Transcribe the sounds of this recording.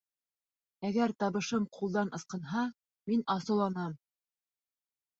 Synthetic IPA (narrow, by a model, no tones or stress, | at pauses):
æɡæɾt̪ɑβɤ̆ʃɤmqʰulˠd̪ɑnʔɤ̆sqɤ̆nɦɑ | minɑsɤ̆lˠɑnɑm